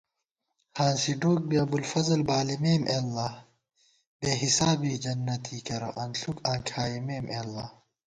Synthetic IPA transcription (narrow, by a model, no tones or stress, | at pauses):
hãːnsiɖoːk̚biɐbulfɐzɐlbaːlimeːmʔeːlːaː | beːɦisaːbiːd͡ʒɐnːɐt̪ʰiːkɐɾɐ̰ʔɐnɬukãːkʰaːimeːmʔeːlːaː